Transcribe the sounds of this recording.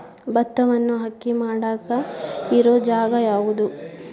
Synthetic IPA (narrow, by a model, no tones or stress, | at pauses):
bɐt̪ːɐʋɐnːuɦɐkːimaːɽaːkɐiɾoːd͡ʒaːɡɐjaːʋud̪u